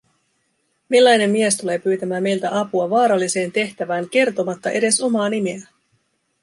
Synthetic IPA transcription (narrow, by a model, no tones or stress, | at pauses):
milːɑjne̞mːiest̪ule̞ːpyːt̪æmæːme̞jlt̪æʔɑpuɑʋɑːɾɑlːise̞ːnt̪e̞ht̪æʋæːŋke̞rt̪o̞mɑt̪ːɑʔe̞de̞so̞mɑːnimeæ